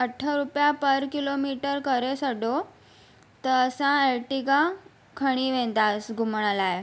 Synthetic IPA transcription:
əʈʰːəɾupjapəɾkilomiʈəɾkəɾesəɖo | t̪əsãelʈikã | kʰəɽ̃iːʋẽt̪asɡʱumɳlaj

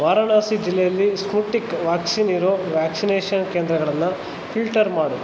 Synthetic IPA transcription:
ʋaːɾɐɳaːsid͡ʒilːɛjɐlːispuʈikʋaːksiniɾoːʋjaːksineːʃɐnkeːnd̪ɾɐɡɐɭɐnːɐ | filʈɐɾmaːɽu

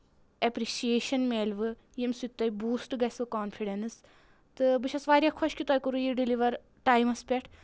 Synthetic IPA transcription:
ɐpɾiʃijeːʃɐnmeːlʋɨ | jemsut̪ːɐjbuːsʈɡɐsʋɨkaːnpʰiɖɐnɨs | t̪ɨbɨt͡ʃʰɐsʋaːɾʲjakʰɔʃkʲit̪ɔːjkuɾujiɖiliʋɐɾ | ʈaːjmɐspʲeʈʰ

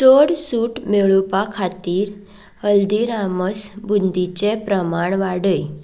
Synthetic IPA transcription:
t͡soɽsuːʈmeɭupakʰat̪iːɾ | həld̪iɾaməsbund̪it͡ɕepɾəmaɳʋaɽəj

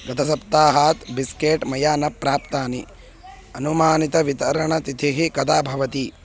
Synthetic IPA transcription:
ɡɐt̪ʰɐsɐp̚t̪aːɦaːt̪biskeːʈmɐjaːnɐpːɾaːpt̪aːni | ɐnumaːnit̪ɐʋit̪ɐɾɐɳɐt̪it̪ʰiɦikɐd̪aːbʱɐʋɐt̪i

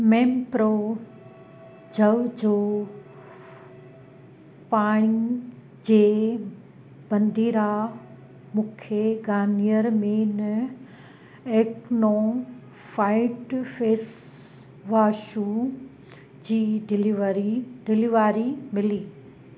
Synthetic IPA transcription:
mẽːmpɾo | d͡ʑʱɐʋd͡ʑoː | paːɽ̃i | d͡ʑeː | bɐ̃nd̪iːɾa | mũːkʰeɡaːnijəɾmẽnɐ | eːkno | faːɪʈfeːs | ʋaːʃu | d͡ʑiːɖɪliʋɾiɖɪliʋaːɾimɪliː

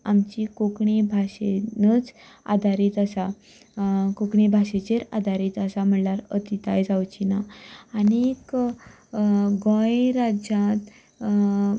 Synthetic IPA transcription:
amt͡ɕikokɳibʱaɕenət͡s | a̰d̪ʱaɾiːt̪asa | kokɳibʱaɕet͡ɕeɾa̰d̪ʱaɾiːt̪əsam̤əɳlaɾət̪it̪ajd͡zawt͡ɕinaanik | ɡõjɾad͡ʑãt̪

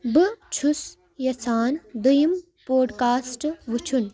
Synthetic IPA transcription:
bɨt͡ʃʰus | jɐt͡sʰaːnd̪ɐjim | poːɖkaːsʈʋut͡ʃʰun

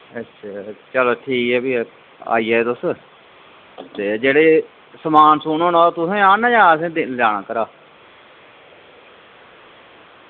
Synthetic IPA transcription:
ətːʃʰɛt͡ʃəloːʈʰiːkɛːbiː | a̰ːiːɛːt̪ʊs | t̪eːd͡ʒeːɽeː | səmaːnsʊnõːnɔːt̪ʊsẽːaːnːjãːəsẽːd̪ɪnlaːɽ̃aːkəɾaː

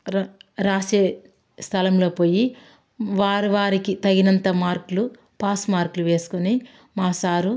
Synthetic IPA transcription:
ɾaːʃeː | st̪ʰɐlɐmlo̞ːpo̞ːji | ʋaːɾiʋaːɾikit̪ɐɡinɐnt̪ɐmaːɾklu | paːsmaːɾkluʋe̞ːsu̥kuni | maːsaːɾu

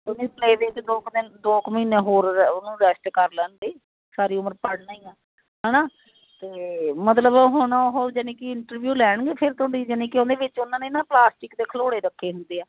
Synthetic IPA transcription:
ʊnĩːpʰleːʋɪt͡ʃd̪oːk̪ed̪oːkmiːnẽːɦoːɾnũːɾɛsʈkəɾləːnɡeː | saːɾiːʊməɾpəɽnaːiːãː | ɦɛːnaː | t̪eːmət̪ləbɦonaːʊɦoːd͡ʒənẽːkɪɪɳʈəɾʋjuːlɛːɳɡeːpʰɪɾt̪oːɽiːd͡ʒənẽːkɪõːnd̪eːʋɪt͡ʃʊnãːneːɪnãːplaːsʈɪkd̪eːkʰəloːɽeːɾəkʰːeːɦʊnd̪eːɛː

